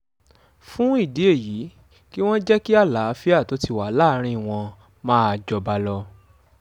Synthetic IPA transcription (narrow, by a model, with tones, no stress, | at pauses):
fũ˦i˦˨di˨˦e˦˨ji˨˦ | ki˦w̃ɔ̃˦d͡ʒɛ˦ki˦a˦˨la˨˦˧fi˦a˦˨to˨˦ti˦˨wa˨˦la˦˧˦ɾ̃ĩ˦˨w̃ɔ̃˧ | mãː˦a˧d͡ʒɔ˧ba˧lɔ˧